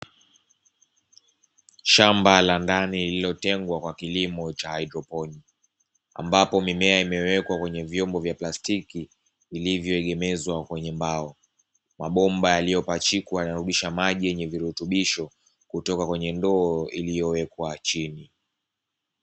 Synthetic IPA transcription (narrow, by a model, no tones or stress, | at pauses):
ʃambalandanilililɔtɛŋɡwakwakilimɔt͡ʃahaidɾɔpɔni | a̰mbapɔmimɛaimɛwɛkwakwɛɲɛvjɔmbɔvjaplastikiː | livjɔɛɠɛmɛzwakwɛɲɛmbaɔ | maɓɔmbajalijɔpat͡ʃikwajnaɾuɗiʃamaʄijɛɲɛviɾutuɓiʃɔ | kutɔkakwɛɲɛndɔːilijɔwɛkwat͡ʃini